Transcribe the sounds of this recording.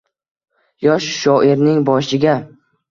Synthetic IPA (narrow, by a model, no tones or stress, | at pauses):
jɒʃʃɒʔɪɾnɪŋbɒʃɪɡʲa